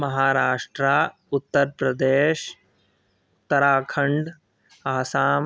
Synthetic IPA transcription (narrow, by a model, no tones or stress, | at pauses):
mɐɦaːɾaːʂʈɾaː | ut̪ːɐɾpɾɐd̪eː | t̪ːɐɾaːkʰɐɳɖ | aːsaːm